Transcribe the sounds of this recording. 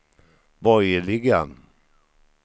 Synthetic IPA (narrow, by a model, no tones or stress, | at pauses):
bɔjəɭɪɡa